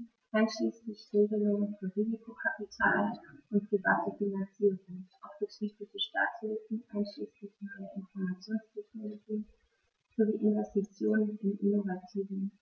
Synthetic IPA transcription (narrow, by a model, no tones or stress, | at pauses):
ʔaɪnʃliːslɪçʁeːɡəlʊŋənfyːɐʁiːzikʰokʰapitʰaːlʔʊntpʁ̥ivaːtəfinant͡siːʁʊŋʔaʊfb̥ətʁ̥iːtlɪtəʃta̰ːthɪlfn̩ʔaɪnʃliːslɪçnɔʏəʔɪnfɔɐmat͡sjoːnstʰɛçnoːlʊɡi | z̥oɐviːʔɪnvɛstit͡sjoːnənɪnʔɪnovatʰiːvən̩